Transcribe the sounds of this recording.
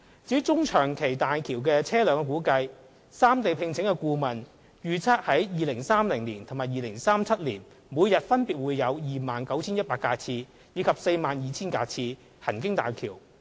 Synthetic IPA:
t͡siː˨˥t͡sʊ˥ŋt͡ʃʰœː˨˩ŋkʰe˨˩jt̪aː˨jkʰiː˨˩wkɛː˧t͡sʰɛː˥lœː˨˧ŋkːkuː˨˥kɐ˧j | saː˥mt̪e˨jpʰɪ˧ŋt͡sʰɪ˨˥ŋkɛ˧kuː˧mɐ˨˩n | jyː˨t͡sʰaː˥t̚hɐ˨˥jjiː˨lɪ˨˩ŋsaː˥mlɪ˨˩ŋliː˨˩nt̪ʰmaː˨jiː˨˧lɪ˨˩ŋsaː˥mt͡sʰɐ˥t̚lḭː˨˩n | muː˨˧jjɐ˨t̚fɐ˥npi˨t̚wuː˨˧jːɐ˨˧wjiː˨maː˨nkɐ˨˥wt͡sʰiː˥njɐ˥paː˧kːaː˧t͡sʰiː˧ | jiː˨˧kʰɐ˨p̚se˧jmaː˨njiː˨˧t͡sʰiː˥nkaː˧t͡sʰiː˧ | hɐ˨˩nkɪ˥ŋt̪a̰ː˨jkʰiː˨˩w

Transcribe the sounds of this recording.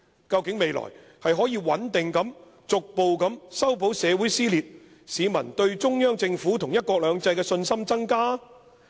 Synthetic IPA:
kɐ˧wkɪ˨˥ŋme˨˧jlɔ̰ː˨˩j | hɐ˨jɦɔː˨˥jiː˧wɐ˨˥nt̪ɪ˨ŋkɐ˨˧˥m | t͡sʊ˨k̚po˨wkɐ˨˥msɐ˥wp̬o˨˥wsɛː˨˧wu˨˥jsiː˥liː˨t̚ | siː˨˧mɐ̰˨˩nt̪ɵ˧ɥt͡ʃʊ˥ŋjœː˥ŋt͡sɪ˧ŋfuː˨˥t̪ʰʊ˨˩ŋjɐ˥t̚kʷɔː˧k̚lœː˨˧ŋt͡sɐ˧jkɛː˧sɵ˧nsɐ˥mt͡sɐ˥ŋkaː˥

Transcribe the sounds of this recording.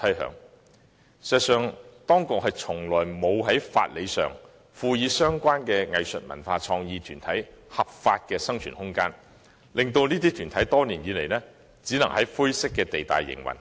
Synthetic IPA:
t̪ʰɐ˨˥jɦœ̰ː˨˧˥ŋ | sɛ˨sœː˨ŋt̪ɔː˥ŋkʊ˨k̚ɦɐ˨jt͡sʰʊ˨˩ŋlɔː˨˩jmo˨˧wɦɐ˨˥jfa̰ː˧t̚le˨˧jsœ̰ː˨ŋ | fuː˧jiː˨˧sœː˥ŋkʷaː˥nkɛː˧ŋɐ˨jsɵ̰˨t̚mɐ̰˨˩nfaː˧t͡sʰɔː˧ŋjiː˨˧t̪ʰyː˨˩nt̪ʰɐ˨˥jhɐ˨p̚faː˧t̚kɛː˧sɐ˥ŋt͡ʃʰy̰ː˨˩nhʊ˥ŋkaː˥n | lɪ˨ŋt̪o˧wniː˥t̪iː˥t̪ʰyː˨˩nt̪ʰɐ˨˥jt̪ɔː˥niː˨˩njiː˨˧le˨˩jnɛː˥ | t͡siː˨˥nɐ˨˩ŋhɐ˨˥jfʊ˥jsɪ˥kːɛː˧t̪e˨jt̪a̰ː˨˩jːɪ̰˨˩ŋwɐ̰˨˩n

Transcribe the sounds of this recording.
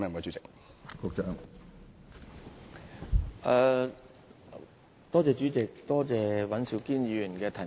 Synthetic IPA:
mɛː˥˨ko˨˥t͡ʃy˨˦˥t͡sɪ˨k̚ | kʊ˧k̚t͡ʃœː˧ŋ | ʔɛː˨˧ | t̪ɔː˥t͡sɛː˨˧t͡ʃyː˨˥t͡sɪ˨k̚t̪ɔː˥t͡sɛː˨wɐ˨˥nsi˨˧˥wkiː˥njiː˨˥˧jy˨˩nkɛː˧t̪ʰɐ˨˩

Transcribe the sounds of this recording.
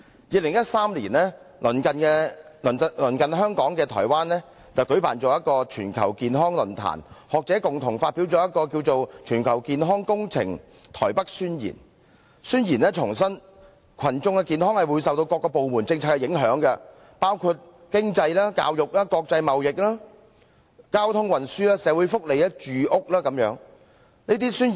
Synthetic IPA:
jiː˨˧lɪ˨˩ŋjɐ˥t̚saː˥mliː˨˩nlɛː˥ | lɵ˨˩nkɐ˨nkɛː˧llɵ˨˩nkɐ˨nɦœː˥ŋkɔː˨˥ŋkɛː˧t̪ʰɔ̰ː˨˩jwaː˥nlɛː˥ | t͡sɐ˨wkɵ˨˥ɥpa̰ː˨˩nt͡sɔː˨˩jɐ˥t̚kɔː˧t͡ʃʰyː˨˩nkʰɐ̰˨˩wkiː˨nɦɔː˥ŋlɵ˨˩nt̪ʰa̰ː˨˩nhɔː˨k̚t͡sɛː˨˥kʊ˨ŋt̪ʰʊ˨˩ŋfaː˧t̚pi˨˥wt͡sɔː˨˧˥jɐ˥t̚kːɔː˧kiː˧wt͡so˨wt͡ʃʰyː˨˩nkʰɐ˨˩wkiː˨nɦɔː˥ŋkʊ˥ŋt͡sʰɪ̰˨˩ŋ | t̪ʰɔ̰ː˨˩jpɐ˥k̚syː˥njḭː˨˩n | syː˥njiː˨˩nlɛː˥t͡ʃʰʊ˨˩ŋsɐ˥n | kʰɐ˨˩nt͡sʊ˧ŋkɛ˧kiː˨nɦɔː˥ŋhɐ˨˩jwuː˨˧jsɐ˨wt̪o˧wkɔː˧kːɔː˧po˨wmuː˨˩nt͡sɪ˧ŋt͡sʰaː˧tkːɛ˧jɪ˨˥ŋɦœː˨˥ŋkɛ˧ | paː˥wkʰuː˧t̚ | kɪ˥ŋt͡sɐ˧jlaː˥ka̰ː˧wjʊ˨k̚laː˥kɔː˧k̚t͡sɐ˧jmɐ˨wjɪ˨k̚laː˥ | kaː˥wt̪ʰʊ˥ŋwɐ˨nsyː˥laː˥sɛː˨˥wu˨˥jfʊ˥k̚le˨˧jɐ˥t͡ʃyː˨ʔʊ˥k̚laː˥kɐ˨˧˥mjœː˨˥ŋ | niː˥t̪̬iː˥syː˥n˨

